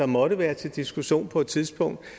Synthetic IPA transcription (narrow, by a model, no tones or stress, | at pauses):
ɑ̈mɒ̽ɾəʋæːɐt͡sʰe̝ld̥isɡ̥uɕo̝̰ːnpʰɒ̽e̝d̥t͡sʰiðˠsb̥ɔ̽ŋ̰d̥